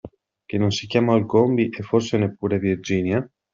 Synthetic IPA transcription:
kenːonsikjaːmaulɡombiʔefːorsenepːuːɾevird͡ʒiːnja

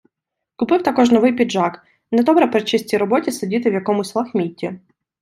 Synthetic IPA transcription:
kʊpɪwt̪ɐkɔʒnɔʋɪjpʲidʒɑk | nɛd̪ɔbɾɐpɾet͡ʃɪsʲtʲiɾɔbɔtʲisɐdʲit̪ɪwjɐkɔmʊsʲlˠɐxmʲitʲːi

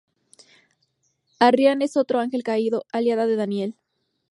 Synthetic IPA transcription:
arjane̞so̞t̪ɾo̞aŋxe̞lkaiðo̞aljaðaðe̞ðanje̞l

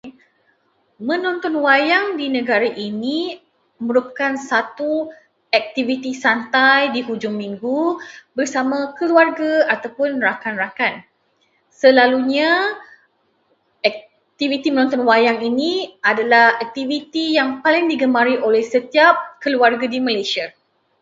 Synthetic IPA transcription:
mə̃nɔ̃nt̪ɔnwajaŋdinə̃ɡaɾaʔini | mə̃ɾupḁkansat̪u | ɛk̚t̪ivit̪isant̪ajdiɦud͡ʒʊŋmĩŋɡubərsamãkəluarɡaat̪awpʊnrakanrakan | səlaluɲa | ɛk̚ | t̪ivit̪imənɔ̃nt̪ɔnwajaŋiniadalahɛk̚t̪ivit̪ijaŋpalɪŋdiɡəmaɾiʔolɛhsət̪iap̚kəluarɡadiməlajsia

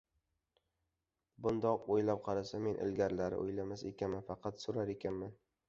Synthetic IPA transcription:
bʊnd̪ɒqojlap̚qʰɑɾasame̞nʔɪ̰lɡʲaɾlaɾɪ̰ʔo̰jlamasekʲʰanmanfɑqʰɑt̪sʊɾaɾekʲʰanman

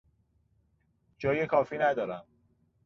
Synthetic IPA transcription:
d͡ʒɒːjekʰɒːfiːnæd̪ɒːɾæm

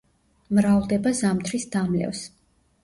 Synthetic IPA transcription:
mɾavlˠd̪ɛbazamt̪ʰɾisd̪amlɛ̰vs

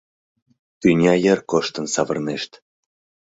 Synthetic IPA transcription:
t̪ynʲɑjərkoʃt̪ə̆nsɑβərneʃt̪

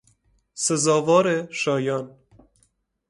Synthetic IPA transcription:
sezɔːvɔːɾeʃɔːjɑːn

